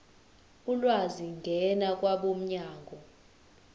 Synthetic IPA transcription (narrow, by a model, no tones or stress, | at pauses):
ulwaziŋɡʱɛnakʼwaɓom̩ɲaːŋɡʱɔ